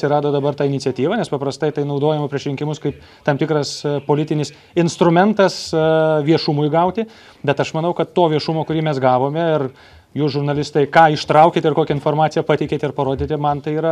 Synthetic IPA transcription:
sʲɪɾɑːd̪oːd̪ɐbɐrt̪ɑːɪnʲɪtt͡sʲɛt̪ʲiːʋɐːnʲɛspɐpɾɐst̪ɐɪt̪ɐɪnɐʊd̪oːjɛmɐpʲɾʲiɛʃɾʲɪŋkʲɪmʊskɐɪp | t̪ɐmt̪ʲɪkɾɐspoːlʲɪt̪ʲɪnʲɪs | ɪnst̪ɾʊmʲɛnt̪ɐsʋʲiɛʃʊmʊjɡɐʊt̪ʲɪ | bʲɛt̪ɐʃmɐnɐʊkɐt̪t̪ːoːʋʲiɛʃʊmoːkʊɾʲiːmʲɛsɡɑːʋoːmʲɛɪr | juːsʒʊɾnɐlʲɪst̪ɐɪkɑːɪʃt̪ɾɐʊkʲeːt̪ʲɪrkoːkʲɛɪnfoːrmɑːt͡s̪ʲsʲɪjɛpɑt̪ʲɛɪkʲeːt̪ʲɪɾpɐɾoːd̪ʲit̪ʲɪmɐnt̪ɐɪiːɾɐ

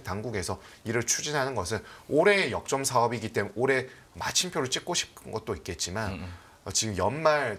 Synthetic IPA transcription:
taŋɡuɡe̞sʰʌiɾɯɭt͡ɕʰud͡ʑinɦanɯnɡʌsʰɯnoɾe̞jʌk̚t͡ɕ͈ʌmsʰaʌbiɡit͈emunoɾe̞ | ma̰t͡ɕʰimpʰjoɾɯɭt͡ɕ͈ik̚k͈oɕʰi̥p̚kʰɯnɡʌt̚t͈oik͈e̞t̚t͡ɕ͈iman | ʌt͡ɕiɡɯmjʌnmaɭ

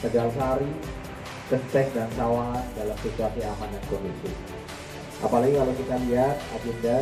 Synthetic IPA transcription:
səɡalsaɾi | kəst̪ɛk̚dansawandalamsit̪uasiamanakondisḭ | ʔa̰palaɡikalawkit̪aliɦat̪̚ad͡ʒunda

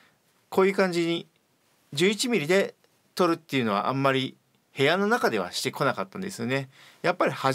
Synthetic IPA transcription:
ko̞ːjɯ̟ːkãɲ̟d͡ʑiɲ̟i | d͡ʑɨːit͡ɕimʲiɾʲid̪e̞ | t̪o̞ɾɯ̟t̪ːe̞iɯ̟no̞β̞a̰ʔãmːaɾʲi | he̞jano̞nakad̪e̞β̞a̰ɕi̥t̪e̞ko̞nakat̪ːãnd̪e̞sɨjo̞ne̞ | japːaɾʲiha

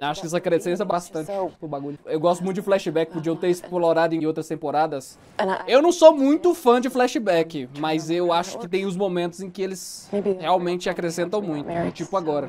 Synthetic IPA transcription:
aʃʊ̥kɪɛs̬akɾesẽs̬ɛbast̪ɐ̃nt͡ʃɪpʊbaɡuʎʊewɡɔst̪ʊmũjt̪ʊd͡ʒɪflɛʃɪbɛkɪ̥pod͡ʒiɐ̃w̃t̪eɾisɪ̥koloɾad̪ʊẽowt̪ɾɐst̪ẽmpoɾad̪ɐs | ewnɐ̃w̃somũj̃t̪ʊfɐ̃d͡ʒɪflɛʃɪbɛkɪmɐzewaʃʊ̥kɪt̪ẽj̃ʊz̬momẽnt̪ʊzẽj̃kɪelɪsheawmẽnt͡ʃɪakɾesẽnt̪ɐ̃w̃mũj̃t̪ʊʊt͡ʃipʊaɡɔɾɐ

